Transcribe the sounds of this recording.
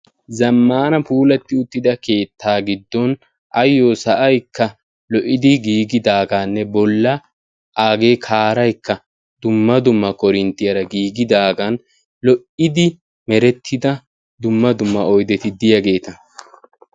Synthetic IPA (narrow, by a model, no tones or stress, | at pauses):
zɐmːaːnɐpuːlɛt̪ːɪʊt̪ːɪd̪ɐke̞ːt̪ʰːaːɡɪd̪ːɔn | ʔɐjːoːsɐʔɐjkʰːɐ | lɔʔɪd̪ɪɡiːɡɪd̪aːɡaːnːɛbɔlːɐ | ʔaːɡe̞ːkʰaːɾɐjkːɐ | d̪̥ʊmːɐd̪ʊmːɐkɔɾɪnt̪ːɪjɐɾɐɡiːɡɪd̪aːɡɐn | lɔʔɪd̪ɪ | mɛɾɛt̪ʰːɪd̪ɐ | d̪ʊmːɐd̪ʊmːɐɔjd̪ɛt̪ɪd̪ɪjɐɡe̞ːt̪ɐ